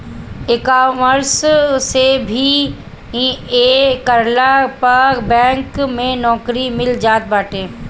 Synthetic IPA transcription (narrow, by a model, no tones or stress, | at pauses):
ɪkaːməɾssebʱi | ĩekəɾlapəbɛ̃ːŋkmẽnɔːkɾimɪld͡ʒaːt̪̚baːʈʰeː